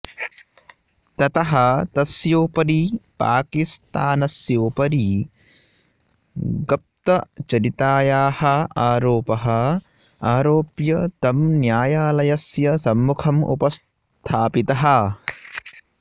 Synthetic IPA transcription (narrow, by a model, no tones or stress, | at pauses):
t̪ɐt̪ɐɦɐt̪ɐsjoːpɐɾipa̰ːkist̪aːnɐsjoːpɐɾi | ɡɐp̚t̪ɐt͡ʃɐɾit̪aːjaːhɐaːɾoːpɐɦɐ | aːɾoːpjɐt̪ɐmnjaːjaːlɐjɐsjɐsɐmːukʰɐmʔṵpɐs | t̪ʰaːpit̪ɐɦɐ